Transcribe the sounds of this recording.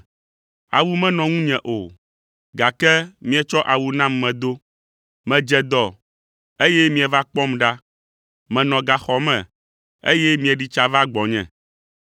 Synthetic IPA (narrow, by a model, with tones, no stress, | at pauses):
a̰˨wu˦mɛ̃˦nɔ̃˨ŋũ˦ɲɛ̃˨ʔo˨ | ɡa˨kɛ˦mĩ˦ɛ˨t͡ʃɔ˦ʔa˨wu˨nã˦mːɛ̃˨d̪o˦ | mɛ̃˨d͡ʒɛ˨d̪ɔ˨ | e˦jɛ˦mĩ˦ɛ˨va˦k͡pɔ˦mɖa˦ | mɛ̃˨nɔ̃˨ɡa˨xɔ˨mɛ̰̃˨ | ḛ˦jɛ˦mĩ˦ɛ˨ɖi˨t͡ʃa˨va˦ɡ͡bɔ˨ɲɛ̰̃˨